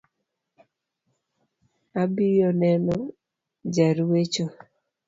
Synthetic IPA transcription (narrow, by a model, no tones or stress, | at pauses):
abijɔnɛnɔ | d͡ʒaɾwet͡ʃo